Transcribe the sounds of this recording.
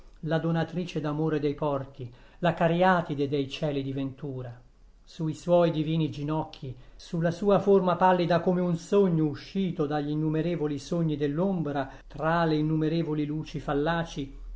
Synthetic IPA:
lad̪onat̪ɾiːt͡ʃed̪amoːɾed̪ejpɔrt̪i | lakaɾjaːt̪id̪ed̪ejt͡ʃɛːlid̪ivent̪uːɾa | suiswɔjd̪iviːnid͡ʒinɔkʰːisulːasuːaformapalːid̪akomeunsoɲːouʃːiːt̪od̪aʎːinːumeɾeːvolisoɲːid̪elːombɾa | t̪ɾaleinːumeɾeːvoliluːt͡ʃifalːaːt͡ʃi

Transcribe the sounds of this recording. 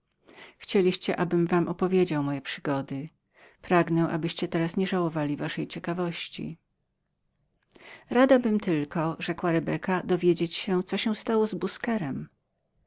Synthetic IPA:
xt͡ɕelʲiɕt͡ɕɛʔabɘmvamʔɔpɔvʲjed͡ʑawmɔjɛpʂɘ̥ɡɔd̪ɘ | pɾaɡnɛ̃ʔa̰bɘɕt͡ɕɛt̪ɛɾasɲɛʐawɔvalʲivaʂɛjt͡ɕɛkavɔɕt͡ɕḭ | ɾad̪abɘmt̪ɘlkɔʐɛkwaɾɛbɛkad̪ɔvʲjed͡ʑet͡ɕɕɛt̪sɔɕɛw̃st̪awɔzbuskɛɾɛm

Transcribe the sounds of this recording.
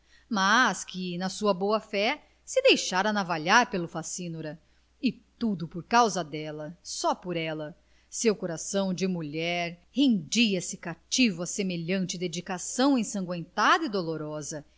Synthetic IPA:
maskɪnɐsuɐboɐfɛ | sɪd̪ejʃaɾɐnavaʎaɾpelʊfasĩnoɾɐ | ɪt̪ud̪ʊpoɾkawzɐd̪ɛlɐsɔpoɾɛlɐ | sewkoɾasɐ̃w̃d͡ʒɪmuʎɛɾhẽnd͡ʒiɐsɪkat͡ʃivʊɐsemeʎɐ̃nt͡ʃɪd̪ed͡ʒikasɐ̃w̃ẽj̃sɐ̃ɡwẽnt̪ad̪ɐid̪oloɾɔzɐ

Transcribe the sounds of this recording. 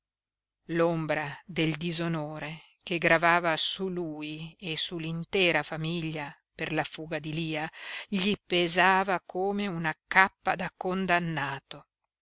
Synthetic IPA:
lombɾad̪eld̪izonoːɾe | keɡɾavaːvasuluːiesulːint̪ɛːɾafamiʎːa | perlafuːɡad̪iliːaʎipezaːvakʰoːmeunakapːad̪akːond̪anːaːt̪o

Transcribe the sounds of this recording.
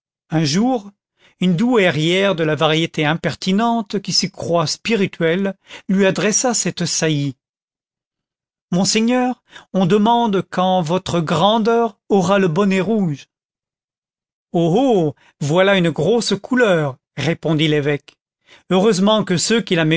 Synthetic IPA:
ɛ̃ʒuʁ | ynd̪uɛʁjɛʁd̪əlavaʁjet̪eɛ̃pɛʁt̪inɑ̃t̪kʲisəkχwaspiʁit̪ʰɥɛlːɥiad̪ʁɛsasɛt̪saji | mɔ̃seɲœːʁ | ɔ̃d̪əmɑ̃d̪kɑ̃vɔt̪χəɡʁɑ̃d̪œːʁɔʁaləbɔnɛʁuʒ | oɦo | vwalaynɡʁoskʰulœʁ | ʁepɔ̃d̪ilevɛk | øʁøzmɑ̃kəsøkʲilame

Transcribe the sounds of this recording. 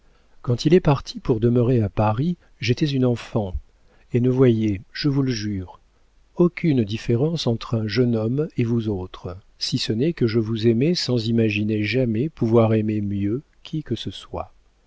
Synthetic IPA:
kɑ̃t̪ilɛpaʁt̪ʰipuʁd̪əməʁeapaʁi | ʒet̪ɛzynɑ̃fɑ̃ | enəvwajeʒ̥əvuləʒyːʁ | okʲynd̪ifeʁɑ̃sɑ̃t̪χɛ̃ʒənɔmevuzot̪χ | sisənɛkəʒəvuzɛmesɑ̃zimaʒineʒamɛpuvwaʁememjø | kʲʰikəsəswa̰

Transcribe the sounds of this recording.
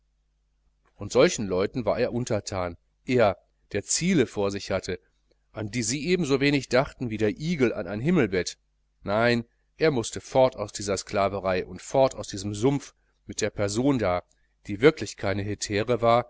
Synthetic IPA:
ʔʊntz̥ɔlçn̩lɔʏtn̩vaːɐeːɐʔʊntɐtʰaːn | ʔʔeːɐ | d̥eːɐt͡siːləfoːɐzɪçhatʰə | ʔandiːziːʔeːbm̩zoːveːnɪçd̥aχtn̩viːdeːɐʔiːɡl̩ʔa̰naɪnɦɪml̩bɛt | naɪn | ʔeːɐmʊstəfɔɐtaʊsd̥iːzɐsklaːvəʁaɪʔʊntfɔɐtaʊsd̥iːzəmzʊmf | mɪt̚d̥eːɐpʰɛɐzoːndaːɐ | d̥iːvɪɐklɪçkʰaɪnəɦɪtʰeːʁəvaːɐ

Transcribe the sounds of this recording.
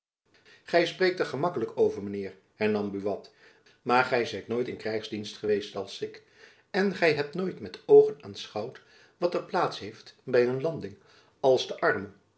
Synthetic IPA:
χɛjspreːk̚təɹχəmɑkələkowvəɹmənɪːɹ | hɛɹnɑmbyʋɑt | maːɹχɛjzɛjtnoːjtɪnkrɛjχzdinstχəʋejstɑlˠsɪk | ɛnχɛjɦɛp̚tnojtmɛtowχənaːnsχɑwt | ʋɑtəɹplaːtsɦejftbɛjɦɵnlɑndɪŋ | ɑlˠzdəʔɑɹmə

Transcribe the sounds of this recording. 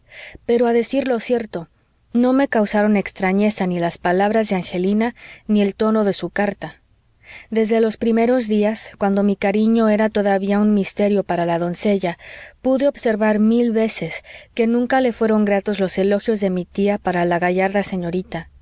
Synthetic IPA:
pe̞ɾoaðe̞siɾlo̞sje̞ɾt̪o̞ | no̞me̞kawsaɾo̞ne̞kst̪ɾaɲe̞sanilaspalaβ̞ɾazðeaŋxe̞linanie̞lt̪o̞no̞ðe̞sukaɾt̪a | ðe̞zðe̞lo̞spɾime̞ɾo̞zðiaskwand̪o̞mikaɾiɲo̞e̞ɾat̪o̞ðaβiaunmist̪e̞ɾjo̞paɾalaðo̞nse̞ʝapuðe̞o̞βse̞ɾβaɾmilβe̞se̞ske̞nũŋkale̞fwe̞ɾo̞ŋɡɾat̪o̞zlo̞se̞lo̞xjo̞zðe̞mit̪iapaɾalaɣaʝaɾðase̞ɲo̞ɾit̪a

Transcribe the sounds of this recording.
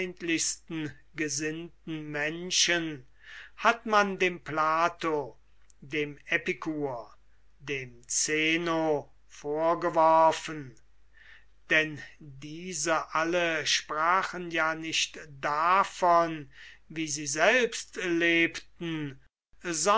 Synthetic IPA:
ntlɪçstn̩ | ɡəzɪntn̩mɛnʃən | hatmandeːmplaːto | deːmɛpɪkʰuːɐ | deːmt͡seːno | foːɐɡəvɔɐfən | d̥ɛndiːzəʔaləʃpʁaːχənjaːnɪʃtd̥afɔnviːziːzɛlpstleːptn̩ | zɔ

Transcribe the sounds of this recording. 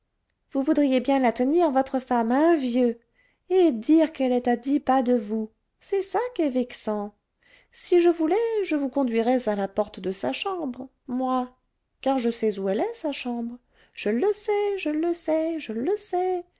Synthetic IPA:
vuvud̪ʁijebjɛ̃lat̪əniʁvɔt̪χəfamɛ̃vjø | ed̪iʁkɛlɛt̪ad̪ipad̪əvu | sɛsakʲɛvɛksɑ̃ | siʒəvulɛʒəvukɔ̃d̪ɥiʁɛzalapɔʁt̪d̪əsaʃɑ̃bʁ | mwa | kaʁʒəsɛzuɛlɛsaʃɑ̃bʁ | ʒ̥ələsɛʒələsɛʒələsɛ

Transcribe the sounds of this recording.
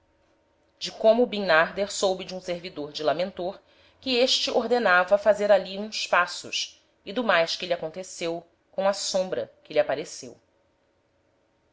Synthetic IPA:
d͡ʒɪkõmʊːbĩnaɾd̪eɾsowbɪd͡ʒɪũseɾvid̪oɾd͡ʒɪlamẽnt̪oɾ | kɪeʃt͡ʃɪʔoɾd̪enavɐfazeɾaliũspasʊ̰ʃ | id̪ʊmajʃkɪliakõnt̪esew | kõw̃ɐsõmbɾɐ̰kɪliapaɾesew

